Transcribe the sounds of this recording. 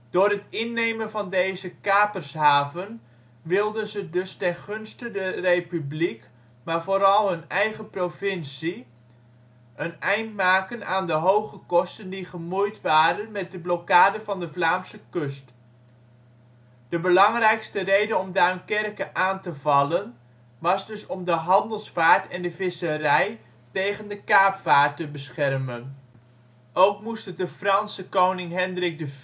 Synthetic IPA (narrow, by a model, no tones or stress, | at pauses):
d̥ʊːrɦətɪnːejmənvɑndejzəkaːpərsɦaːvən | ʋɪlˠdənzədɵstɛnχɵnstədərepyblik | maːɹvoːɾɑlˠɦɵnɛjχəprovɪnsi | ʔənɛjntmaːkənaːndəɦowχəkɔstəndiχəmujtʋaːɾənmɛt̚dəblɔkaːdəvɑndəvlaːmsəkɵst | d̥əbəlɑŋrɛjkstərejdəɔmdaːnkɛrkəʔaːntəvɑlən | ʋɑzdɵsɔmdəɦɑndəlˠsfaːɹtɛndəvɪsərɛj | tejχəndəkaːpfaːɹtəbəsχɛrmən | ʔowkmustədəfrɑnsəkownɪŋɦɛndrɪɡ̚də